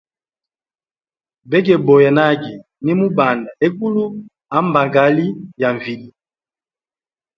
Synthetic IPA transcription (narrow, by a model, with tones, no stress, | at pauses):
bɛ˦ɡ̬ɛ˨bɔ˨jɛ˨na˦ɡi˨ | ni˦mu˦ba˨nda˨e˦ku˦lu˦ | a˨˦mba˨ɡa˨˦li˦ja˨ɱvi˨li˨˦